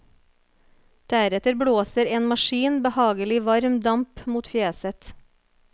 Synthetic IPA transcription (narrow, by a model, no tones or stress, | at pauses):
d̪̥æɾɛt̪əɾbɽoːsəɾeːnmɑʃiːnbəhɑːɡəlɪʋɑɾmd̪ɑmpmuːt̪fjeːsət̪